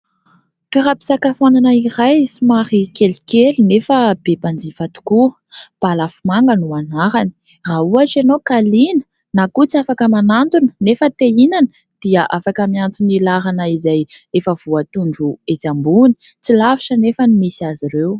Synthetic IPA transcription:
peɾapi̥sakafananaiɾajsumaɾikelikelinefəbeband͡zivat̪u̥ku | b̥alafimaŋɡənuanaɾani̥ | rauaʈ͡ʂanokalinə̥ | nakut͡siafakəmanant̪unə̥nefət̪einan | d̪̥iaʔafakəmiant͡sunilaɾanaizajefəv̥uat̪uɳɖ͡ʐuet͡sambuni̥ | t͡silaviʈ͡ʂənefənimisazirew

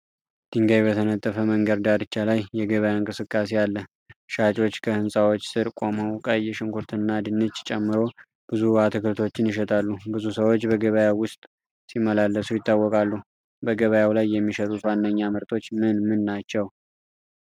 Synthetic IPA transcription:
d̪̥ɨŋɡajbət̪ʰənət̪ʼːəfəməŋɡəɾd̪ad̪ɨt͡ʃːalajːɛɡəβəjaɨŋkʼɨsɨkʼːas̬ealːə | ʃat͡ʃʼo̞t͡ʃːkʰəhɨnsʼawot͡ʃːsɨɾkʼoməwkʼəjːɛʃɪŋkʰuɾt̪ʰɨnːad̪ɨnːɨt͡ʃːt͡ʃʼɛmːɨɾo̞ | b̥ɨzuat̪ʰɨkʰɨɾt̪ʰo̞t͡ʃːɪnjɪʃ̬ɛt̪ʰalːubɨzusəwot͡ʃːbəɡəβəjawwʊst̪ʼ | simːəlalːəsujɪt̪ːawːɔkʼalːu | bəɡəβəjawlajːɛmːiʃət̪ʼut̪wanːəɲːamɨɾt̪ʰo̞t͡ʃːmɨnmɨnːat͡ʃːɛw

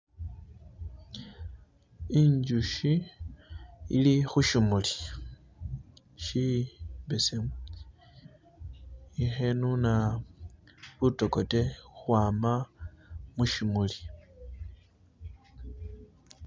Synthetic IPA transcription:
iɲd͡ʒuʃi | ḭlixuʃimuli | ʃibesem | ixenuna | βuto̞ko̞te̞xwaːma | muʃimuli

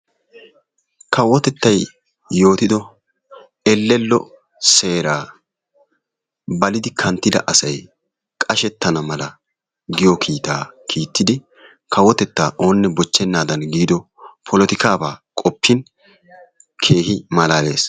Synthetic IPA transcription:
kʰɐwɔt̪ɛt̪ːɐjː | o̞ːt̪ɪd̪ɔ | ɛlːɛlːɔ̰ | se̞ːɾaː | bɐlɪd̪ɪkʰɐnt̪ːɪd̪ɐ̰ʔɐsɐj | kʼɐʃɛt̪ːɐnɐmɐlɐ | ɡɪjɔkʰiːt̪aːkʰiːt̪ːɪd̪ɪ | kʰɐwɔt̪ɛt̪ːaːʔo̞ːnːɛbɔt͡ʃːɛnːaːd̪ɐnɡiːd̪ɔ | pʰɔlɔt̪ɪkaːbaːkʼɔpːɪn | kʰe̞ːhɪmɐlaːle̞̰ːs

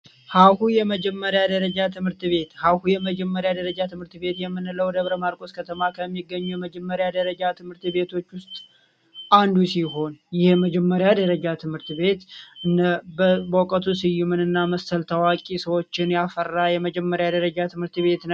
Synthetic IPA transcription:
hahujɛməd͡ʒɛmːəɾjad̪əɾəd͡ʒat̪ʰɨmhɨɾt̪βe̞t̪hawhujɛməd͡ʒɛmːəɾjad̪əɾəd͡ʒat̪ʰɨmhɨɾt̪be̞t̪jɛmːɨnɨləwd̪əβɾəmaɾkʼo̞skʰət̪ʰəmakʰəmːiɡːəɲːujɛməd͡ʒɛmːəɾjad̪əɾəd͡ʒat̪ʰɨmhɨɾt̪βe̞t̪ʰo̞t͡ʃːwʊst̪ʼ | ʔand̪usiɦo̞njɪhməd͡ʒɛmːəɾjad̪əɾəd͡ʒat̪ʰɨmhɨɾt̪βe̞t̪nbbokʼət̪ʰusɨjːumɨnɨnːaməst̪əlt̪ʰəwakʼisəwo̞t͡ʃːɪnjafərːajɛməd͡ʒɛmːəɾjad̪əɾəd͡ʒat̪ʰɨmhɨɾt̪βe̞t̪n

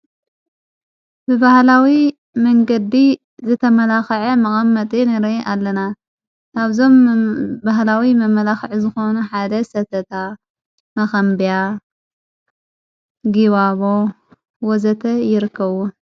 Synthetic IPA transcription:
bɨbahlawi | mɐŋɡɐd̪i | zɨt̪ʰɐmɐlaxʕɐmɐkʼɐmːɐt̪ʼinɨɾeʔalːɐna | aβzo̞mbaɦlawimɐmɐlaxʕuzɨxo̞nuħad̪ɐsɐt̪ʰɐt̪ʰa | mɐxɐmbija | ɡiβaβo̞ | wɔzɐt̪ʰɐjɪɾɨkːɐβu

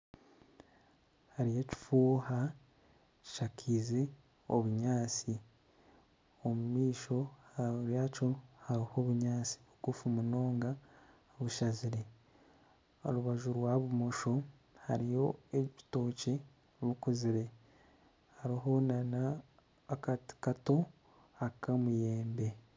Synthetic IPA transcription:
haɾije̞ci̥fuːha | ci̥ʃakʰize | oβuɲaːt͡si | omumiːʃo̞aɾjaːcohaɾiho̞βuɲaːt͡si̥βuɡufumuno̞ːŋɡa | βuʃaziɾe̞ | o̞̰ɾuβaʒuɾwaβumo̞ʃo̞ | ha̰ɾijo̞eci̥to̞ːce̞ | βukuziɾe̞ | haɾiɦo̞nanaː | kati̥kato̞ | akamuje̞ːmbe̞

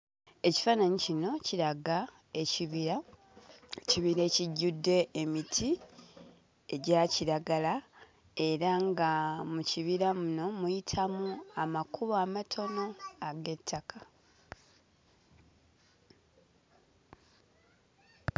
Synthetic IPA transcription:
e̞ci̥fanaɲicino̞ciɾaɡa | e̞ciβia | ciβiɾeːciɟːudːe̞ːmitʰi | e̞ɟaciɾaɡala | e̞ɾaŋɡamuciβiɾamuno̞mujitʰamuamakuβoamatʰo̞no̞aɡe̞tʰːakʰa

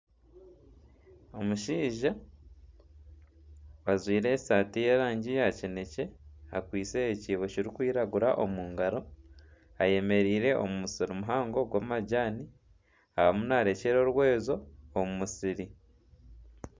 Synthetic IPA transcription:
o̞muʃiːʒa | wazwiːɾe̞ːsaːtijeːɾaːɲɟijacine̞ce̞akwiːt͡seːciːβo̞ciɾikwiːɾaɡuɾaʔo̞muːŋɡaɾo̞ | aje̞me̞ɾiːɾe̞ʔo̰mumusiɾumuɦaːŋɡo̞ɡwaːmaɟaːni | ahamunaːɾe̞ceɾo̞ɾwe̞ːzo̞ːmumusiɾi

